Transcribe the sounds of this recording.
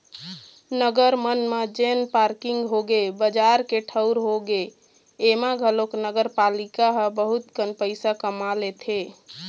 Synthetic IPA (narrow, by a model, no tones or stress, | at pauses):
nəɡəɾmənmed͡ʒenpaɾkiŋɡɦoɡebəd͡ʒaɾkeʈʰəʊɾɦoɡeː | maɡʱəloknəɡəɾpalikaɦəbəɦut̪kənpəɪsakəmalet̪ʰe